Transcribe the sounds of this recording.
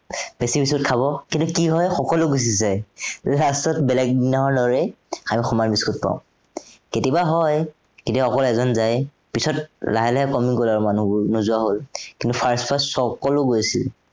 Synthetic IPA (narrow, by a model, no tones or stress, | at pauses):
besibiskut̚kʰaβɔkintʊkiɦɔjxɔkɔlʊɡus̬izajlastɔtbɛlɛɡ̚dinaɦɔdɔɹɛ | amixɔmanbiskut̚pa̰ʊ̃ | ketibaɦɔj | ketibaxɔkɔlɛzɔnzaj | pisɔt̚laɦɛlɛɦɛkɔmiŋkolaɹumanubʊnuzʊaɦolkintupʰaɹspʰassɔkɔlʊɡojsḭl